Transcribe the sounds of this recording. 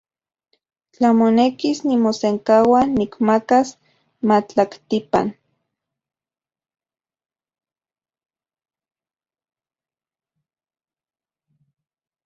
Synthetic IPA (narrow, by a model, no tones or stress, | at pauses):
t͡ɬamonekisnimoseŋkawanikmakas | mat͡ɬakt̪ipa̰n